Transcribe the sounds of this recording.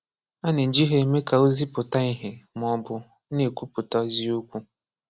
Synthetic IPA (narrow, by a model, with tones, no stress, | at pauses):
a˦nɪ˨n̩˨d͡ʒi˦ɦe˦me˦ka˨o˦zi˦pʊ˨ta˦i˦ɦɪ˨m˨˦ɔ˦bʊ˦ | ne˨kʷu˦pʊ˨ta˦zi˦o˦kʷu˦